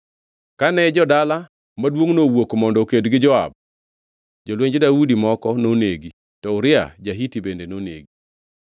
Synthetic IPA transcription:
kanɛd͡ʒɔdala | madwoŋnowokmɔndɔkedɡɪd͡ʒɔa̰b̚ | d͡ʒolweɲd͡ʒedaudimɔkɔnoneɡi | tɔʊɾɪa̰d͡ʒaɦitibendenonḛɡi

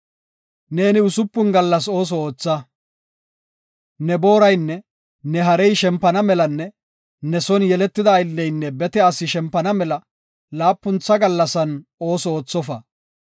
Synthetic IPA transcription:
ne̞ːnɪʊsʊpːʊnɡɐlːɐso̞ːs̬ɔoːt͡sːɐ | nɛbo̞ːɾɐjnːɛ | nɛɦɐɾɛjʃɛmpːɐnɐmɛlɐnːɛ | nɛsɔnjɛlɛt̪ːɪd̪ɐːjɪlːɛjnːɛbɛt̪ɛɐsɪʃɛmpːɐnɐmɛlɐ | laːpːʊnt͡sːɐɡɐlːɐsɐno̞ːsɔoːt͡sːɔfɐ

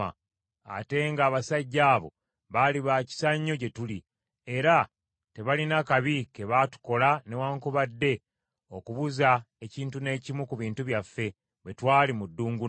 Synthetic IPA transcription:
a̰ | a̰te̞ŋɡaːβasaɟːaːβo̞̰ | βaliβaːci̥saɲːo̞ce̞tuli | e̞ɾa | te̞βalinakaβike̞βatu̥ko̞lane̞waːŋkuβadːe̞ | o̞kuβuza | e̞ciːntune̞ːcimukuβiːntuβjafːe̞ | wetwaːlimudːuːŋɡu

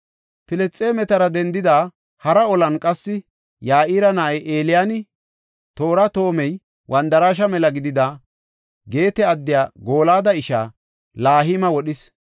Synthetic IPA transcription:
pɪlɛt͡sʼːeːmɛt̪ɐɾɐd̪ɛnd̪ɪd̪aː | hɐɾɐɔlɐnkʼɐsːɪ | jaːʔiːɾɐnaʔɛjʔe̞ːlɪjaːnɪ | t̪o̞ːɾɐt̪o̞ːmɛj | wɐnd̪ɐɾaːʃɐmɛlɐɡɪd̪ɪd̪a | ɡe̞ːt̪ɛɐd̪ːɪjaːɡo̞ːlaːd̪ɐɪʃa̰ː | laːɦiːmɐwɔɗɪs

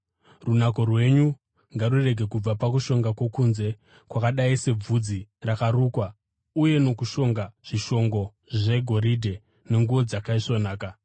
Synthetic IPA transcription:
runako̞rwe̞ɲu | ŋɡarure̞ɡʱe̞kub͡vapakuʃo̞ŋɡakwe̞kunze̞ | kwakaɗaise̞b͡vud͡zirakaruːkwa | uje̞no̞kuʃo̞ŋɡaʐ̥iʃo̞ŋɡo̞ | ʐe̞ɡʱo̞ɾidʱe̞ | ne̞ŋɡuʋo̞d͡zakaiʂo̞naːka

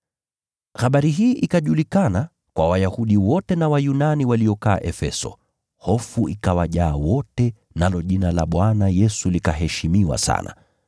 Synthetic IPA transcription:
xaɓaɾiɦiːʔikaʄulikana | kwawajahuɗiwɔtɛnawajunaniwaliɔka̰ːʔɛfɛsɔ̰ | hɔfuʔikawaʄaːwɔtɛ | nalɔʄinala̰ɓwanajɛsulikaɦɛʃimiwa̰sa̰na̰

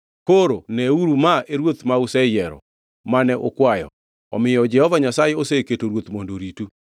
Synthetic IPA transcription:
koɾonɛuɾumaeɾwot̪mausɛjɛɾɔ̰ | manɛʔo̰kwajɔ̰ | ɔ̰mɪjɔd͡ʒɛhɔvaɲasajeoseketoɾwot̪mondoɾitu

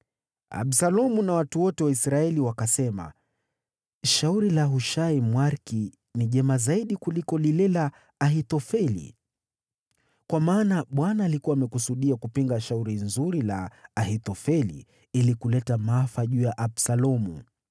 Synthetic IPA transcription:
a̰ɓsalɔmunawatuwɔtɛwaisɾaɛliwakasɛma̰ | ʃauɾilaɦuʃaimwaɾki | niʄɛmazaiɗikulikɔlilɛlaː | ɦitɔfɛlḭ | kwamaːnaɓwanaːlikuwaːmɛkusuɗiakupiŋɡaʃauɾinzuɾilaːɦit̪ɔfɛlḭ | ilikulɛtamaafaʄuːjaʔaɓsalɔmṵ

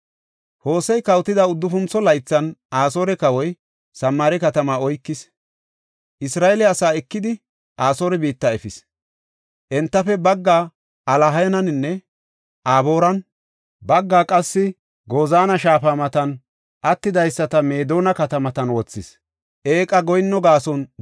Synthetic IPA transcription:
ho̞ːsɛjkɐwt̪ːɪd̪ɐʊd̪ːʊfʊnt͡sɔlɐjt͡sːɐnʔaːso̞ːɾɛkɐwɔj | sɐmːaːɾɛkɐt̪ɐmaɔjkːɪs | ʔɪsɾaːɛlɛɐsaːɛkːɪd̪ɪ | ʔaːso̞ːɾɛbiːt̪ːɐɛfɪs | ʔɛnt̪ːɐfɛbɐɡːaː | ʔɐlɐɦɐjɐnɐnɪnːɛ | ʔaːbo̞ːɾɐn | bɐɡːaːkʼɐsːɪ | ɡo̞ːzaːnɐʃaːfaːmɐt̪ɐn | ʔɐt̪ːɪd̪ɐjsːɐt̪ɐme̞ːd̪o̞ːnɐkɐt̪ɐmɐt̪ɐnwɔt͡sːɪs | ʔeːkʼɐɡɔjnːɔɡaːsɔn

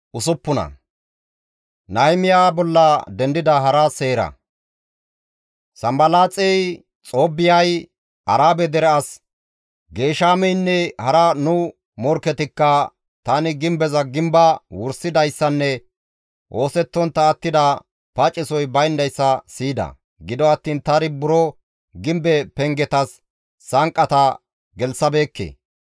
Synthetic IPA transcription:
ʔʊsʊpːʊnɐ̰ | nɐjmɪjaːbɔlːɐd̪ɛnd̪ɪd̪ɐɦɐɾɐse̞ːɾɐ̰ | sɐmbɐlaːt͡sʼɛj | t͡sʼoːbːɪjɐj | ʔɐɾaːbɛd̪ɛɾɛɐs | ɡe̞ːʃaːmɛjnːɛhɐɾɐnʊ | mɔɾkɛt̪ɪkːɐ | t̪ɐnɪɡɪmbɛzɐɡɪmbɐwʊɾsɪd̪ɐjsːɐnːɛ | ʔo̞ːsɛt̪ːɔnt̪ːɐːt̪ːɪd̪ɐ | pɐt͡ʃʼːɪsɔjbɐjnd̪ɐjsːɐsiːd̪ɐ̰ | ɡɪd̪ɔɐt̪ːiːnt̪ɐɾɪbʊɾɔ | ɡɪmbɛpɛŋɡɛt̪ɐsː | ɐŋkʼːɐt̪ɐ | ɡɛlsɐbe̞ːkːḛː

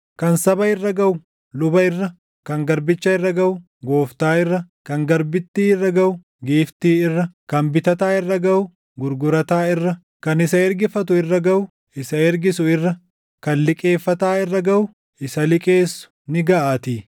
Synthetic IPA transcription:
kɐnsɐbɐɪrːɐɡɐʔʊ | lʊbɐɪrːɐ | kɐŋɡɐɾbɪt͡ʃːɐɪrːɐɡɐʔʊ | ɡo̞ːft̪aːɪrːɐkɐŋɡɐɾbɪt̪ːiːɪrːɐɡɐʔʊ | ɡiːft̪iːɪrːɐkɐmbɪt̪ɐt̪aːɪrːɐɡɐʊ | ɡʊɾɡʊɾɐt̪aːɪrːɐ | kɐnɪsɐɛɾɡɪfɐt̪ʊɪrːɐɡɐʔʊ | ɪsɐɛɾɡɪsʊɪrːɐ | kɐnlɪkʼeːfːɐt̪aːɪrːɐɡɐʔʊ | ɪsɐlɪkʼeːsːʊ̥ | nɪɡɐʔaːt̪iː

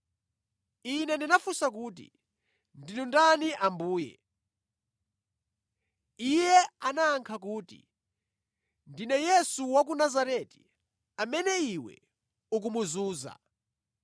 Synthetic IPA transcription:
inɛndinafusak̬uːtḭ | ndinundaniʔambuːjɛ̰ | ijɛanaːŋkʰak̬uːtḭ | ndinɛjɛsuwak̬unazaɾɛti̥ | amɛnɛiwɛ̰ | uk̬umuzuːza̰

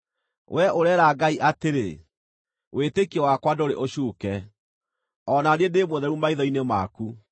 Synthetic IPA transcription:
wʔɛʔoɾɛːɾaɡaiʔateɾḛ | wetekiɔwakwadoɾḛʔoɕuːkɛ | ɔnaɾendemoðɛɾumaiðɔinemaːku

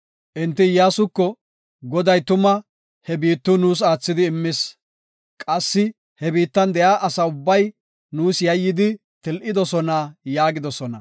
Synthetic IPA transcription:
ʔɪnt̪ːɪjaːsʊkːɔ | ɡɔd̪ɐjt̪ʊmɐ | hɛbiːt̪ːʊnuːs̬aːt͡sːɪd̪ɪːmːɪs | kʼɐsːɪ | hɛbiːt̪ːɐnd̪ɛjaːʔɐsɐʊbːɐj | nuːsjɐjːɪd̪ɪ | t̪ɪlʔɪd̪ɔsɔnajaːɡɪd̪ɔsɔnɐ

